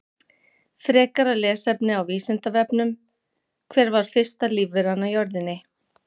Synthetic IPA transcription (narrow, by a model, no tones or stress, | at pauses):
fɾɛːkaɾalɛːsɛpnɪawviːsɪnt̪avɛpnʏm | kʰvɛːɾvaɾ̥fɪr̥st̪aliːvvɪɾanːajɔɾðɪnːɪ